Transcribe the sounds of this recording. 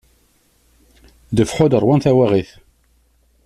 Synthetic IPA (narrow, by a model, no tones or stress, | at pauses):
d̪əfħʊd̪əɾˤwænθæwæʁiθ